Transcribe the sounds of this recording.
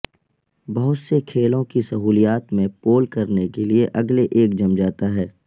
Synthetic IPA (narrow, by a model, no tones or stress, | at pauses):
bɐɦʊt̪sekʰeːlõkisɐɦuːlijaːt̪mẽpoːlkɐɾnekelieʔɐɡleʔeːk̚d͡ʒɐmd͡ʒaːt̪aɦɛː